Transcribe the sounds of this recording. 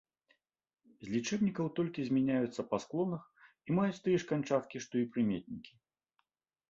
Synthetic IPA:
zʲlʲit͡ʂɛbnʲikɐwt̪ɔlʲkʲizʲmʲɛnʲajut̪sːɐpasklˠɔnɐx | imajut͡sʲt̪ɨjɛʂkanʲt͡ʂat̪kʲiʂt̪ɔipɾɨmʲet̪̚ʲnʲikʲi̥

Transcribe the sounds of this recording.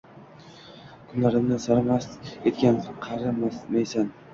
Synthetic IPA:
kʰʊnlaɾɪmnɪsaɾamaset̪kʲanqʰɑɾammajsan

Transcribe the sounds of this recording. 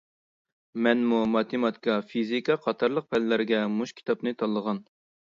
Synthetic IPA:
mɛnmumɑt̪ʰɪmɑt̪ʰi̥kɑfizikʰɑqʰɑt̪ʰɑɾlˠəq̚pʰɛllæɾɪɡʲɛmuʃkʲʰi̥t̪ʰɑpnɨt̪ʰɑlˠːəʁɑn

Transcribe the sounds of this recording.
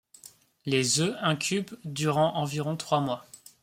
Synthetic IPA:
lezøɛ̃kʲʰybd̪yʁɑ̃ʔɑ̃viʁɔ̃t̪χwamwa

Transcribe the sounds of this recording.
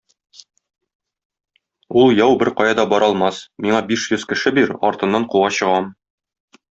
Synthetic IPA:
ulˠjɒwbɘɾqɒjɑd̪ɒbɒɾʔɒlˠmɑsmiɴɑbiʃjɵz̥kɘ̆ʃɘbiɾɒ̰ɾt̪ɤ̆nːɑɴquwɑɕɤ̆ʁɑm

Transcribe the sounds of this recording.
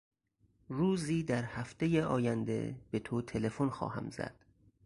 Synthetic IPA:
ruːziːd̪æɾhæft̪ejeɒːjænd̪e̞̰b̥et̪ʰot̪ʰe̞le̞fonxɒ̰ːhæ̰mzæ̰d̪̥

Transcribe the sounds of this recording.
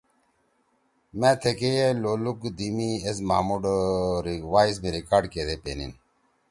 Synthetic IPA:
mɛ̃ːt̪ʰekejeloːlukd̪imies̬ma̰ːmuɖɾiwaːis̬miɾikaːɖket̪epḛːnḭn

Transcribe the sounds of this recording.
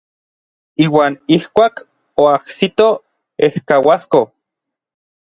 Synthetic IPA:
iːwaːnihkʷaːk | oahsit̪o | ehkawasko

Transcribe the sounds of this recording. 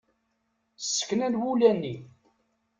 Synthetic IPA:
sːə̥kːnæd̪wulænːi

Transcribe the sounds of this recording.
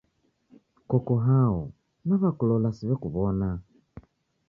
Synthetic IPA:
kɔkɔɦaɔ | naβakulɔlasiβɛkuβɔna

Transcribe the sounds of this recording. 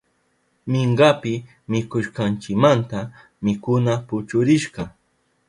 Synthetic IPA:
mɪɴɢɑpɪ | mɪkʊʃqɑnt͡ʃɪkmant̪a | mɪkʊnapʊt͡ʃʊɾɪʃɢɑ

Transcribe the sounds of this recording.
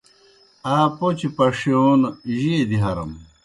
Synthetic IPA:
aːpot͡ɕipɐʂoːnʑied̪iɦɐɾɐ̰m

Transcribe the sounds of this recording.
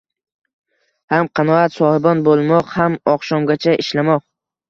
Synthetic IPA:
hamqʰɑnɒat̪sɒhɪbɒnbolˠmɒqhamɒqʃɒmɡʲat͡ʃʰaʔɪʃlamɒq̚

